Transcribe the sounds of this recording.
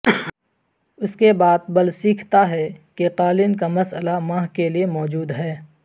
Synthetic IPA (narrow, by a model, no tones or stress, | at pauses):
ʊskebaːd̪̚bɐlsiːkʰt̪aɦɛkeqaːlɪnkamɐsəlamãːɦkeliemɔːd͡ʒuːd̪ɦɛː